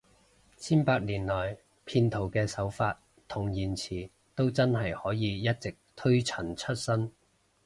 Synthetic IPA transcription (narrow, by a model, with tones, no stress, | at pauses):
t͡sʰiː˥npaː˧k̚liː˨˩nlɔː˨˩j | pʰiː˧nt̪ʰo˨˩wkɛː˧sɐ˨˥wfaː˧t̚ | t̪ʰʊ˨˩ŋjiː˨˩nt͡sʰiː˨˩ | t̪o˥wt͡sɐ˥nɦɐ˨˩jhɔː˨˥jiː˨˧jɐ˥t̚t͡sɪ˨k̚t̪ʰɵ˥ɥt͡sʰɐ˨˩nt͡ʃʰɵ˥t̚sɐ˥n